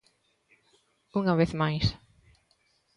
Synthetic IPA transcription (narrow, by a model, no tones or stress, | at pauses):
uŋɐβeθmajs